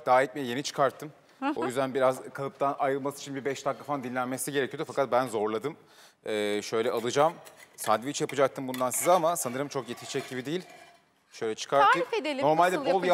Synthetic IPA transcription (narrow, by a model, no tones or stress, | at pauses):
d̪aːjɛt̪mejɛje̞nit͡ʃʰɯ̥kʰaɾt̪ʰːɯm | o̞jyzd̪ænbiɾazkʰalˠɯp̚t̪ʰanajɯlˠmasɯi̥t͡ʃʰinbibɛʃt̪ʰakkːafand̪inlʲænmesiɟeɾɛcʰijod̪ufakʰat̪̚bænzo̞ɾlˠad̪ɯm | ɛːʃø̞jlʲɛʔalˠɯd͡ʒamsad̪vit͡ʃʰjapɯd͡ʒak̚t̪ʰɯmbund̪ansizɛamasanɯɾɯmt͡ʃʰo̞kjet̪ʰiʃt͡ʃʰɛc̚ɟibid̪eijilʲ | ʃø̞jlʲɛt͡ʃʰɯ̥kʰaɾt̪ːɯfed̪elʲno̞ɾmalʲd̪ɛbolˠja